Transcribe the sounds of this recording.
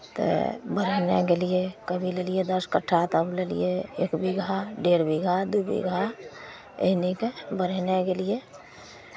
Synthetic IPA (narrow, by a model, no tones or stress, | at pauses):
t̪ə̰bəɾnḛkelijekəbʱiləlijed̪əskəʈʰat̪əblelḭjeḛːkbiɡʱaɖeɾbiɡʱad̪ubḭɡʱa | ḛɦnikebəɾnekelie